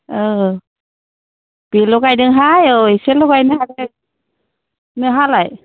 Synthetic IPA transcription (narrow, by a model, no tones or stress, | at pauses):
ɯ | b̥ilɔɡajdɯŋɦajojselɔɡajnɯhadɛ | nɯɦalaj